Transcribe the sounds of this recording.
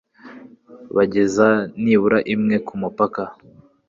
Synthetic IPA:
βaɟe̞zaniβuɾaʔimŋe̞kumupaka

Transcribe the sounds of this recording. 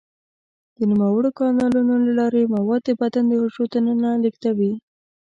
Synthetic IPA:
d̪̥ənimawəɽokɑnɑlunolalɑɾemawɑd̪̚d̪əbat̪and̪əhoʃot̪anənalikt̪awi

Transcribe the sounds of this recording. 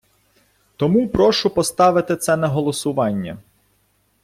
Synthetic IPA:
t̪ɔmupɾɔʃʊpɔst̪ɑʋɪt̪ɪt̪sɛnɐɦɔlˠɔsʊʋɑnʲːɐ̰

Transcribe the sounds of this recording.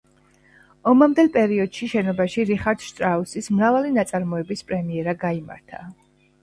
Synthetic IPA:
ɔmamd̪ɛlˠpʼɛɾiɔd̪̥ʃiʃɛnɔbaʃiɾiχaɾd̪ʃt̪ʼɾausismɾavalinat̪sʼaɾmɔɛbispʼɾɛmiɛɾaɡaima̰ɾt̪ʰa̰

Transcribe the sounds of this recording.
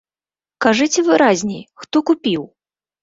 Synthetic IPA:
kaʐɨt͡sʲɛvɨɾazʲnʲɛjxt̪ɔkupʲiw

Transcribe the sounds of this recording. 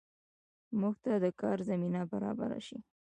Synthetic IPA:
muɡ̚t̪ad̪əkɑɾzaminabaɾɑ̰ba̰ɾa̰ʃi

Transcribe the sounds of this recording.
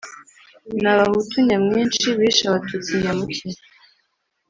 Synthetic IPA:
naβahutʰuɲamŋiːnʃiβiʃaβatʰut͡siɲaβuki

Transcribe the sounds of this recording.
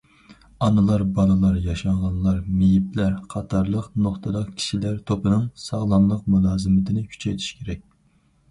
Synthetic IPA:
ɑnɨlˠɑɾbɑlˠɨlˠɑɾjɑʃɑŋʁɑnlˠɑɾmejiplæɾqʰɑt̪ʰɑɾlˠəqnoχt̪ʰɨd̪ɑqkʲʰi̥ʃilæɾt̪ʰopɨnɨŋsɑʁlˠɑnlˠəqmulˠɑːzɨmɪt̪ʰɪnɪkʲʰy̥t͡ʃʰɛjt̪ʰi̥ʃkʲʰeɾɛk̚ʲ

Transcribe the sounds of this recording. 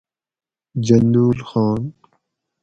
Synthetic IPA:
d͡ʒɐnd̪uːlxɑːn

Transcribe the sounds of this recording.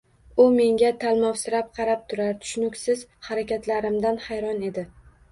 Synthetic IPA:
ʊme̞ŋɡʲat̪ʰalˠmɒwsɪɾap̚qʰɑɾap̚t̪ʰʊɾaɾt̪ʰʊ̥ʃnʊkʲsɪz̥haɾakʲat̪ʰlaɾɪmd̪anhajɾɒne̞d̪ɪ

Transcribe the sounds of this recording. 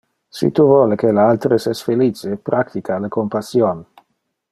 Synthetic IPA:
sḭt̪uvɔːlekelealt̪ɾesɛsfelit͡ʃepɾʔakt̪ikʰalekompasjon

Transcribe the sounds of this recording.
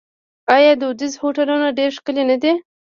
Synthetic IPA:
ɑjɑd̪əʊd̪ɪzhoʈalunaɖeɾʃkəlenad̪e

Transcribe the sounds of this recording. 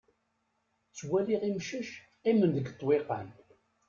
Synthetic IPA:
t͡sːwæliʁimʃəʃ | imənd̪əɡt̪ˤːweqə̰n

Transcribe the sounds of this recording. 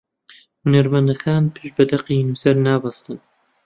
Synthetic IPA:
hunɐɾmɐnd̪ɐkʰaːnpʰɨʃbɐd̪ɐqinuːsɐɾnaːbɐst̪ɨn

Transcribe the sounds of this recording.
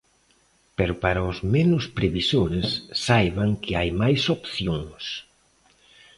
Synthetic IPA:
peɾʊpaɾaʊzmenʊspɾeβisoɾesːajβaŋkʰɪajmajsopθjoŋs

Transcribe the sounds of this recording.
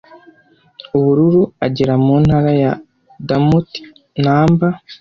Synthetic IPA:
uβuɾuɾuaɟeɾamuːn̥haɾaja | damut | naːmba

